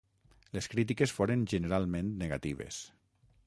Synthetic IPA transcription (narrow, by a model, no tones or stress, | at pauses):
leskɾit̪̬ikesfoɾenʒeneɾalˠmẽnt̪neɣat̪iβ̞ḛs